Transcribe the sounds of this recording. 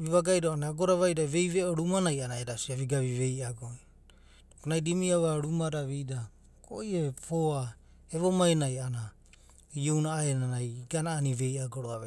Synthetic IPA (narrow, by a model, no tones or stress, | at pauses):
βiβaɡajɾoanaɡoɾaβajdaβe̞jβeoɾumanajanaeɾasiaβiɡaβiβe̞jaɡoi | konajdimiawaɾumaɾaβijda | kʰo̰jepʰoa | eβomajnajana | iownaːenanajɡanaːniβe̞jaɡoɾoaβe